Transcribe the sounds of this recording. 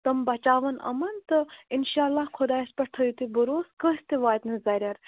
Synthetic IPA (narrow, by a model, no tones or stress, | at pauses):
t̪ɐmbɐt͡ʃaːʋɐnɐ̰mɐnt̪ɨinʃaːlːaːhkʰʊd̪aːɐspɐʈʰɐjut̪ibuɾoːskəsʲt̪iʋaːjt̪nɨzɐɾʲaɾ